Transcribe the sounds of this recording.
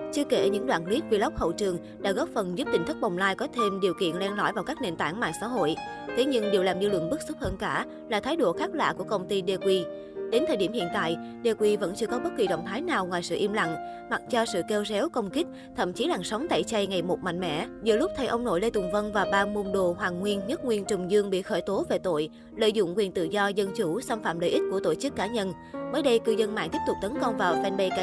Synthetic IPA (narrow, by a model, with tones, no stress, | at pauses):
t͡ɕɨ˧əke˧˩ɲɨ̰˧˥ŋɗwa̰ː˧˨nli˦˥t̚kwi˧˩lə˦˥k͡p̚p̚hə̰˧˨wt͡ɕɨ˨˩əŋ | ɗa̰ː˧˥ɣɔ˦˥p̚fə˨˩nzu˦˥p̚t̪ï˧˩ŋ̟t̪ɨ˦˥k̚ɓa˨˩wŋ͡mlaː˧jkɔ˨˦t̪ʰe˧mɗi˨˩əwkḭ˧˨ənlɛ˧nlɔ̰˧˥jvaː˨˩wkaː˦˥k̚ne˧˩nt̪aː˧˩ŋma̰ː˧˨jsa̰ː˧˥ɦo̰˧˨j | t̪ʰe˨˦ɲɨ˧ŋɗe˨˩wlaː˨˩mzɨ̰˧lə̰˧˨ŋɓɨ˦˥k̚su˦˥p̚həː˧nkaː˧˩ | laː˨˩t̪ʰaː˨˦jɗo˧˩xaː˦˥k̚la̰ː˧˨ku˧˩əkə˧wŋ͡mt̪i˧ɗe˧kwi˧ | ɗe˨˦nt̪ʰəː˨˩jɗi˧˩mhḭ˧˨ənt̪a̰ː˧˨j | ɗe˧kwi˧və̰˧˥nt͡ɕɨ˧əkɔ˨˦ɓə˦˥t̚ki˨˩ɗə̰˧˨wŋ͡mt̪ʰaː˨˦jnaː˨˩wŋwaː˨˩jsɨ̰˧˨ʔi˧mla̰˧˨ŋ | ma˨˩t̚t͡ɕɔ˧sɨ̰˧˨ke˧wzɛ˨˦wkə˧wŋ͡mkï˦˥k̟̚ | t̪ʰə̰˧˨mt͡ɕi˨˦laː˨˩ŋsə˨˦wŋ͡mt̪a̰ː˧˨jt͡ɕa˧jŋa˨˩jmo˨˩t̚ma̰˧˨ŋ̟mɛ̰˧˥zɨ̰˧˨əlʊ˦˥k͡p̚t̪ʰə˨˧˩jʔə˧wŋ͡mno̰˧˩jle˧t̪ʊ˨˩ŋ͡mvə˧nvaː˨˩ɓaː˧mu˧nɗo̰˧˨ɦwaː˨˩ŋŋwi˧ənɲə˦˥t̚ŋwi˧ənt͡ɕʊ˨˩ŋ͡mzɨ˧əŋɓḭ˧˨xəː˧˩jt̪o˨˦ve˨˩t̪o̰˧˨j | lə̰ː˧˨jzʊ̰˧˨ŋ͡mkwi˨˩ənt̪ɨ̰˧˨zɔ˧zə˧nt͡ɕu˧˩saː˧mfaː˧˨mləː˧˨jʔï˦˥t̚ku˧˩ət̪o˧˩t͡ɕɨ˦˥kːaː˨˦ɲə˧n | məː˨˦jɗə˧jkɨ˧zə˧nma̰ː˧˨nt̪i˦˥p̚t̪ʊ˨˩t̪ə˨˦nkə˧wŋ͡mvaː˨˩wfɛ˧nɓə˧jkaː˨˦